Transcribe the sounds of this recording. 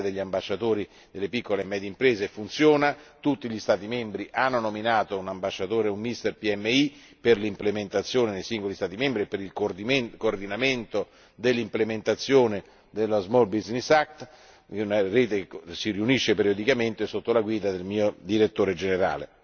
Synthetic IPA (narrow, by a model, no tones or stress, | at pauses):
d̪eʎːiambaʃːat̪oːɾi | d̪elːepikːolemːɛːd̪jeimpɾeːzefunt̪sjoːnat̪ut̪ːiʎist̪aːt̪imembɾiʔanːonominaːt̪ounambaʃːat̪oːɾeumːist̪erpiɛmːei | perlimplement̪at̪sːjoːnenejsiŋɡolist̪aːt̪imembɾiepːeɾilk̪koːrd̪inament̪o | d̪elːimplement̪at̪sːjoːne | d̪elːozmɔlbiznisak̚t̪ | unareːt̪eksiriuniʃːepeɾijod̪ikament̪esːot̪ːolaɡwiːd̪ad̪elmiːod̪iɾet̪ːoːɾed͡ʒeneɾa̰ːlḛ